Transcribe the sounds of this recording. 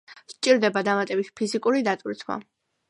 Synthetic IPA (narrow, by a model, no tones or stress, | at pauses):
ʃt͡ʃʼiɾd̪ɛbad̪amat̪ʼɛbit̪ʰpʰizikʼuɾid̪at̪ʼwɾit̪ʰwa̰